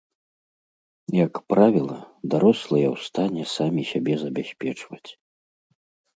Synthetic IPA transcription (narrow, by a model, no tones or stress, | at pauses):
jɐkpɾavʲilˠɐd̪aɾɔslˠɐjɛwst̪anʲɛsamʲisʲabʲɛzɐbʲasʲpʲɛt͡ʂvɐt͡sʲ